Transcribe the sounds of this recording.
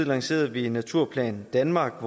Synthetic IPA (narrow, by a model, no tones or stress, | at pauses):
ðˠlɑ̈ŋse̝̰ːɐð̩ˠʋinːæt͡sʰuɐ̰pʰlɛ̰ːnd̥ænmɑ̈ːɡ̥ʋɒ